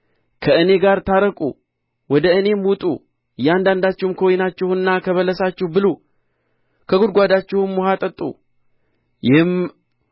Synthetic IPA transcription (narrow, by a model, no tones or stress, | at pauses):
kʰəɨne̞ɡaɾt̪ʰaɾəkʼṵ | wɔd̪əɨne̞mwʊt̪ʼṵ | jːɛand̪and̪at͡ʃːɪhmkʰəwojnat͡ʃːɪhnːakʰəβələsat͡ʃːɪhbɨlu | kʰəɡʊd̪̚ɡʷad̪at͡ʃːɪhʊmwɔhat̪ʼət̪ʼːṵ | jɪhɨm